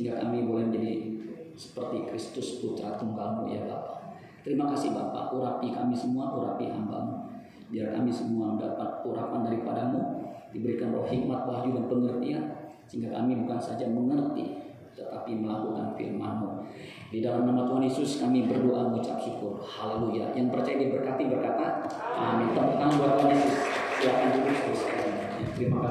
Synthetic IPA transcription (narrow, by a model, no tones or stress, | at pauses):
siŋɡakamibolɛməɲd͡ʒadisə̥pərt̪ikɾist̪ʊst̪ut͡ʃa̰ɾat̪uŋɡalmṵja̰ba̰pa | t̪əɾimakasɪhbapa̰ʔuɾapikamisəmuaʔuɾa̰piɦa̰mba̰mu | diarka̰misəmuadapat̪̚uɾapandaɾipadamudibəɾikanrɔhhik̚mat̪̚bad͡ʒudanpəŋərt̪iasəiŋɡaka̰mibukansad͡ʒaməŋərt̪ḭ | t̪ət̪apiməlakuka̰nfḭrma̰nmu | didalamnamat̪uɦanjesʊskamibərdoʔamut͡ʃa̰p̚hikʊrhaleluja̰jaŋpərt͡ʃajadiabərkat̪ibərkat̪aa̰mit̪at̪aŋnduat̪uɦanjesʊskilakandulit̪usə̥kaɾi | jafimaka